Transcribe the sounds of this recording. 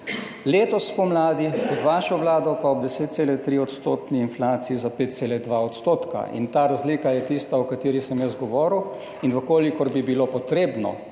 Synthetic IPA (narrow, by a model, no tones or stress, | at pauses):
leːt̪ɔspɔmlaːd̪iɔd̪ʋaːʃɔʋlaːd̪ɔpaɔb̚d̪ɛseːt̪t̪seːlɛt̪ɾiːɔt̪st̪oːt̪niːnflaːt̪siizapeːt̪t̪seːlɛd̪ʋaɔt̪st̪oːt̪ka̰ḭnt̪aːɾazliːkajɛt̪ist̪aɔkat̪eːɾixsɛmjəsɡɔʋɔːɾuw | inʋəkoːlikɔɾbibilopɔt̪ɾeːbnɔ̰